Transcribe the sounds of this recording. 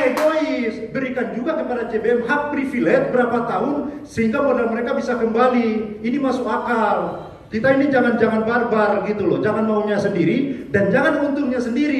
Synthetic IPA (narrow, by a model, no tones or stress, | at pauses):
eɡoɪsbəɾikand͡ʒuɡakəpadat͡ʃebeɛmɦak̚pɾifilɛt̪̚bəɾapat̪aʊn | səɦiŋɡamodalməɾekabisakəmbaliinimasʊkakal | kit̪ainid͡ʒaŋand͡ʒaŋanbarbarɡit̪ulɔd͡ʒaŋanmauɲasəndiɾidand͡ʒaŋanunt̪ʊŋɲasəndiɾi